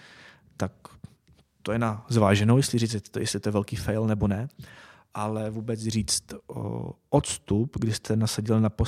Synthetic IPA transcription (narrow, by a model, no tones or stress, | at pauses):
t̪ak | t̪ojɛnazvaːʒɛnowjɛslɪɾit͡sɛjɛslɪt̪ojɛvɛlkiːfɛjlnɛbo̞nɛ | ʔalɛvuːbɛt͡sriːt͡st̪ | ʔot̪st̪upɡdɪst̪ʰɛnasaɟɪlnapo